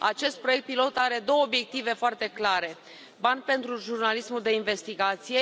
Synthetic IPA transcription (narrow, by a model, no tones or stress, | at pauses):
a̰t͡ʃe̞st̪̚pɾoek̚t̪̚pilo̞t̪aɾe̞d̪o̞wəobje̞k̚t̪ive̞foart̪e̞klaɾe̞ | banʲpe̞nt̪ɾuʒurnalismuld̪e̞inve̞st̪iɡat̪sije̞